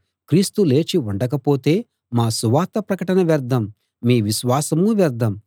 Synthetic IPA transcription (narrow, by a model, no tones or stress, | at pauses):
kɾiːst̪ule̞ːt͡ʃiuɳɖɐk̬ɐpoːt̪e̞ː | maːsuʋaːt̪ɐpɾɐkɐʈɐnɐʋɛɾd̪ɐmː | iːʋiʃʋaːsɐmuʋɛɾd̪ʱɐm